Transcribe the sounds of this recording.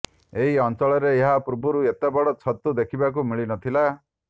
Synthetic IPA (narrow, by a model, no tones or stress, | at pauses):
eɦiɔnt͡ʃɔɭɔɾeeɦapɾubʱuɾuet̪ebɔɽɔt͡ʃʰɔt̪ːud̪ekʰibak̬umiɭinɔt̪ʰila